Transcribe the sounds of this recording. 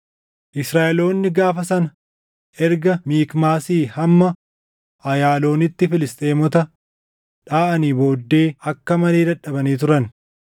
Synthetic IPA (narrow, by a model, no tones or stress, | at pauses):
ʔɪsɾaːʔɛlo̞ːnːɪɡaːfɐsɐnɐ | ʔɛɾɡɐmiːkmaːsiːhɐmːɐ | ɐjaːlo̞ːnɪt̪ːɪfɪlɪst̪ʼeːmɔt̪ɐ | ᶑaːʔɐniːbo̞ːd̪ːe̞ːɐkːɐmɐle̞ːd̪ɐᶑɐbɐniːt̪̬ʊɾɐn